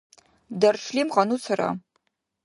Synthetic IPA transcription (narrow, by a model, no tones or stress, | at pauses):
dɐrʂʰliːmʁɐnuːt͡sʰɨrɐ̰